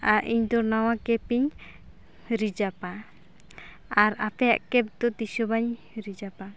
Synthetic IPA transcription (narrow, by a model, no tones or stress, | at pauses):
aʔiɲd̪ɔɾnawakɛpiɲ | ɾid͡ʒapa | aɾapɛja̰ʔkɛp̚d̪ɔt̪isɔbaɲ | ɾid͡ʒapa